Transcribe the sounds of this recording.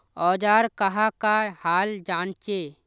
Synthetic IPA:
ɔːd͡ʒaːɾkəɦakahaːld͡ʒaːnt͡ʃe

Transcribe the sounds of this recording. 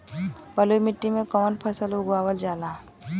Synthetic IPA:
bəlojmɪʈːimẽkɔːnpʰəsəlʊɡaːwəld͡ʒaːlaː

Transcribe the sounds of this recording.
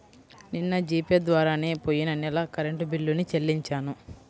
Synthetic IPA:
ninːɐd͡ʒiːped̪ʋaːɾaːneːpoːjːinɐnɛlɐkɐɾeɳʈubilːunit͡ʃelːiɲt͡ʃaːnu

